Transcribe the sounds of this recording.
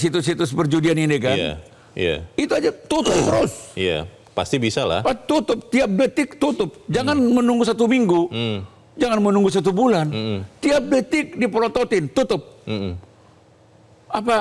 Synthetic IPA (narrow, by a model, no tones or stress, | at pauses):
sit̪usit̪ʊs̬pərd͡ʒudianinikaja̰ | j̰a̰it̪uad͡ʒat̪ut̪ʊp̚t̪əɾusja̰ | pa̰st̪ibisala̰hpat̪ut̪ʊp̚t̪iap̚dət̪ɪk̚t̪ut̪ʊp̚d͡ʒaŋanmənuŋɡusat̪umiŋɡu | d͡ʒaŋanmənuŋɡus̬at̪̬ubulant̪iap̚dət̪ɪk̚dipolot̪ot̪ɪnt̪ut̪ʊp̩̚ | apa